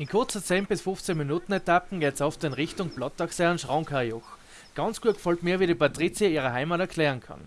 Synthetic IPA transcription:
ɪnkʰʊɐt͡sət͡seːnbɪsfʊft͡senminuːtn̩etapn̩ɡ̥eːtsaʊftɪnʁɪçtʊŋb̥lɔt̚d̥aksɛənʃʁãʊŋkʰajɔx | ɡ̥ɑnt͡sɡ̥uːəkfɔltmiːɐʋiːɾipʰatʁit͡sjaiːʁəɦaɪmatɛɐkʰl̥ɛːʁənkʰa̰n

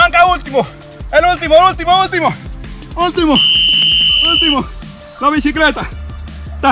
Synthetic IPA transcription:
aŋkault̪imo | elult̪imoult̪imoult̪imoult̪imo | ult̪imo | laβisiklet̪a | t̪a

